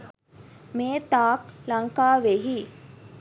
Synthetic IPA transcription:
meːt̪aːklaŋkaːʋeɦi

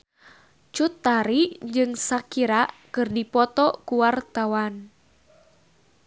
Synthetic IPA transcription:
t͡ʃut̪ːaɾid͡ʒɨŋsakiɾakɨrdipɔt̪ɔkuwart̪awan

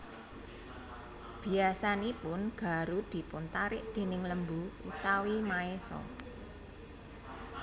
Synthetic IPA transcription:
b̥i̤asanipʊnɡ̥a̤ɾud̪̥i̤pʊnt̪aɾɪʔd̪̥e̤nɪŋləmbuṵt̪awimaesɔ̰

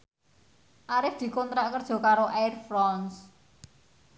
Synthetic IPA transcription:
ʔaɾɪfd̪̥i̤kɔnt̪ɾaʔkərd̥ʒ̥ɔ̤kaɾoʔajrfɾɔns

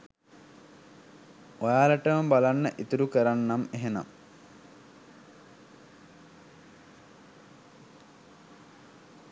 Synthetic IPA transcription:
ojaːlaʈəʋəmbalanːəʔit̪uɾukəɾanːameɦena̰m

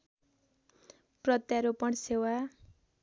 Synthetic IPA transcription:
prʌt̪jaɾopʌɽsewa

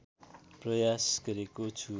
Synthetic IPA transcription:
prʌjasɡʌɾekot͡sʰu

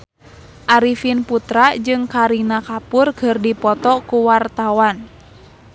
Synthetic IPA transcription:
ʔaɾifinput̪ɾad͡ʒɨŋkaɾinakapʊrɡ̥ərdipɔt̪ɔkuwart̪awan

